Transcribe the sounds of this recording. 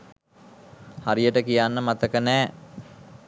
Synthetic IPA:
haɾijəʈəkijanːəmat̪əkənæː

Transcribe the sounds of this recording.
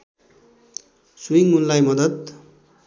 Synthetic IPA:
sujiŋunlajmʌd̪ʌd̪

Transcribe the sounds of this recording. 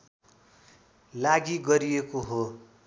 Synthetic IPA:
laɡiɡʌɾiekoɦo

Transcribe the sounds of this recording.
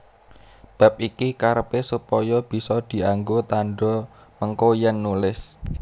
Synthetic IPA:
b̥a̤p̚ikikaɾəpesupɔjɔb̥i̤sɔd̪̥i̤aŋɡot̪aɳɖɔ | məŋkojɛnːulɪs

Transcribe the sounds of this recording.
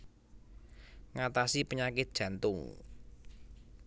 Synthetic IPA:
ŋat̪asipəɲakɪt̪̚d̥ʒ̥ä̤nt̪ʊŋ

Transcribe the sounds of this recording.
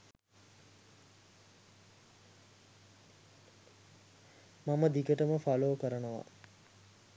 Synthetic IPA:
maməd̪ikəʈəməfaloːkəɾənəʋa̰

